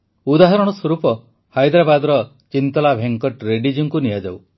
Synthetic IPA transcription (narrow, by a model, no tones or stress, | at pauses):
ud̪aɦɔɾɔɽ̃ɔswɔɾupɔ | hajd̪ɾabad̪ɔɾɔ | t͡ʃint̪ɔlabʱeŋkɔʈɾeɖid͡ʒuŋkunijad͡ʒaw